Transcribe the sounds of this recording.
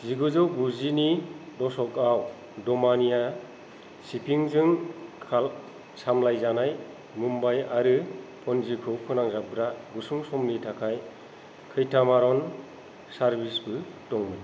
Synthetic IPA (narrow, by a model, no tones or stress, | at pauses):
ziɡɯzɯwbuzinidɔsɔkaw | dɔmanija | sipʰiŋzɯŋkʰal | samlajzanaj | mumbajaɾɯpʰɔnzikʰɯwpʰɯnaŋzap̚ɡɾaɡusuŋsɔmlitʰakʰaj | kʰɯjtʰamaɾɔn | saɾbisbɯtɔŋmɯj